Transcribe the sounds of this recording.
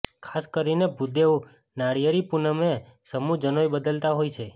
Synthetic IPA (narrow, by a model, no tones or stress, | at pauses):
kʰaskəɾinebʱud̪eʋ | naɽijəɾipunəmesəmud͡ʒənojbəd̪əlt̪aɦojt͡ʃʰe